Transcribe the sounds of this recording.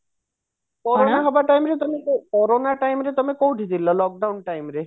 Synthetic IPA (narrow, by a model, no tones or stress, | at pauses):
kɔɾonaɦɔbaʈajmɾet̪ɔmekɔɾonaʈajmɾet̪ɔmekowʈʰid̪ilɔlɔk̚ɖawnʈajmɾe